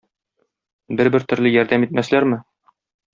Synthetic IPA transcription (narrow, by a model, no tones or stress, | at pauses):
bɘɾbɘɾt̪ɵ̆ɾlɘjɒɾd̪æmit̪̚mæslæɾmɘ